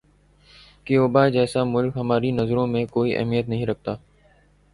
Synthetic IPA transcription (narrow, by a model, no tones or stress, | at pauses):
kioːbaːd͡ʑɛːsamʊlkɦɐmaːɾinɐzɾõmẽkoːiʔɐ̰ɦmijət̪nɐɦĩɾɐk̚ʰt̪aː